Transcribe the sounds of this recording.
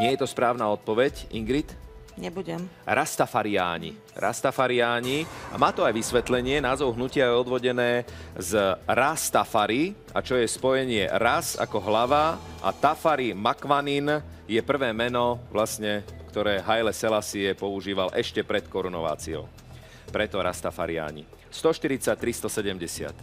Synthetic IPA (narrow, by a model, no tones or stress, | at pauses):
ɲɪɛjɛt̪ɔspɾaːʊnaːɔt̪̚pɔʋɛciŋɡɾit̪ | ɲɛbuɟɛmɾʔast̪afaɾia̰ːɲḭ | ɾʔa̰st̪afaɾiaːɲia̰maːt̪ɔajʋisʋɛt̪lɛɲɪɛnaːzɔʊɦnucɪajɛɔd̪ʋɔɟɛnɛː | zɾast̪afaɾi | a̰t͡ʃɔjɛspɔjɛɲɪɛ̰ɾasa̰kɔɦlaʋaʔa̰t̪afaɾimakʋanin | jɛpr̩ʋɛːmɛnɔʋlasɲɛkt̪ɔɾɛːɦajlɛsɛlasiɛpɔuʒiːʋalʔɛʃcɛpɾɛt̪kɔɾunɔ̰ʋa̰ːt͡siɔ̰ʊ | pɾɛt̪ɔɾa̰st̪afa̰ɾɪa̰ːɲḭ | st̪ɔʃt̪iɾit͡sac̚t̪ɾist̪ɔsɛɟɛmɟɛsɪa̰t̪